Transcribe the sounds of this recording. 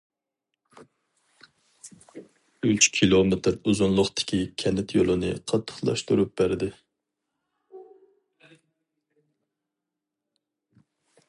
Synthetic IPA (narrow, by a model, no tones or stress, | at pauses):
yt͡ʃkʲʰilˠomet̪ɪɾuzunlˠʊχt̪ʰɪ̥kʲikʲʰɛnɪt̪ʰjolˠɨnɨ̰qʰɑt̪ʰːə̥χlˠɑ̰ʃt̪uɾup̚bæɾd̪ɪ